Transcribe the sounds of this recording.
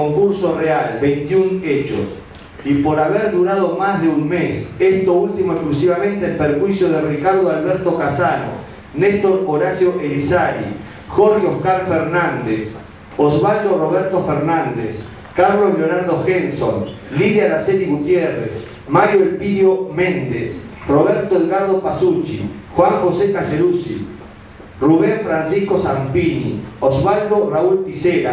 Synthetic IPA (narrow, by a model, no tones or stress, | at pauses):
oŋkuɾso̞realβejnt̪iunet͡ʃo̰s | ipoɾaβeɾðuɾað̞omazðeunmesest̪oult̪imoesklusiβamẽ̞nt̪eːlpeɾxwisjoð̞erikaɾðoalβeɾt̪okasano̰ | nest̪o̞ɾoɾasjo̞ʔelisaɾḭ | xoɾɣjohkaɾfeɾnand̪es | ozβald̪oro̞β̞eɾt̪ofeɾnãnd̪ḛs | kaɾlosloɾaɾd̪oxensonliðjalaseɾiɣut̪jerḛs | maɾjoelpiðjomẽnd̪es | roβeɾt̪oɣaɾð̞opasut͡ʃḭxwaŋxosekaʃelusḭ | ruβeɱfɾansiskosampinḭozβald̪orault̪iseɾa̰